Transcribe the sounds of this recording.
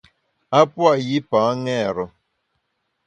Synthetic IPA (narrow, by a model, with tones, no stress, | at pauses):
a˦pwa˨ji˦pa˨˦ŋɛ˦˨ɾʊ˨